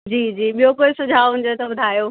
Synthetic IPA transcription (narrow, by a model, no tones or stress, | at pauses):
d͡ʑiːd͡ʑiːɓijokoːɪsʊd͡ʑʱaːɦʊɦɪɲd͡ʑot̪ɐɓʊd̪ʱaːjoː